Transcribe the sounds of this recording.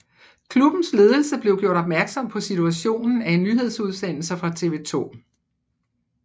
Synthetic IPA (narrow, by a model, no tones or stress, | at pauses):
kʰlub̥n̩sle̝ːð̞ˠl̩səb̥le̝ʊɡ̥jo̝ɐɾ̥ɒ̽b̥mæɐɡ̥sɒ̽m̰pʰɒ̽sit͡sʰuæɕo̝̰ːnn̩æe̝nːyɦe̝ð̞ˠsuð̞ˠsen̰l̩səfʁɑ̈t͡sʰe̝ʋe̝̰ːt͡sʰo̝̰ː